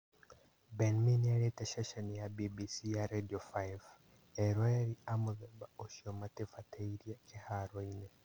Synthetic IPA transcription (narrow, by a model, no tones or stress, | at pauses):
benminaɾeteʃaʃanijabibisijaɾediofajv | eɾweɾiamuðebaoʃiomatefatʰeiɾjakehaɾoine